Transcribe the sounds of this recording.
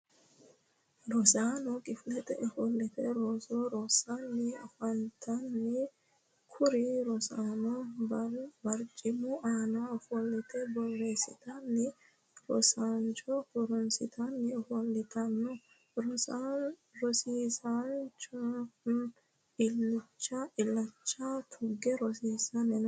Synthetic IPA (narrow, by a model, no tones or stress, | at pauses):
ɾɔsaːnɔkʼɪflɛt̪ʼɛ̰ʔɔfɔlːɪt̪ɛɾoːsɔɾosanːɛɔfɐnt̪ʰɐnːɛ | kʰʊɾɪɾɔsaːnɔ | bɐɾt͡ʃʼːɪmʊʔaːnaɔfɔlːɪt̪ɛbɔlːeːsɪt̪ɐnːɛ | ɾɔ̰sant͡ʃʼɔkɔɾɔnsɪt̪ʰɐnːɛfɔlːɪt̪ʰɐnːɔ | ɾɔsaɾɔsiːsɐnt͡ʃɔ | ɪlːʊt͡ʃːaʔɪlːɐt͡ʃːat̪ʰʊɡɛɾɔsiːsɐnɛn